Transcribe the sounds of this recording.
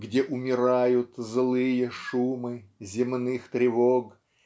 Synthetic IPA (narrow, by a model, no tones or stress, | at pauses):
ɡdʲeʔʊmʲɪɾajʊt̪zlˠɨjəʂumɨzʲɪmnɨxt̪ɾʲɪvoɡ